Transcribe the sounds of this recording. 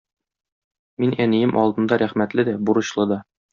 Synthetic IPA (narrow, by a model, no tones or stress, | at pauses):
minænijɘmʔɒlˠd̪ɤ̆nd̪ɑɾæχmæt̪lɘd̪æbuɾɤ̆ɕlˠɤd̪ɒ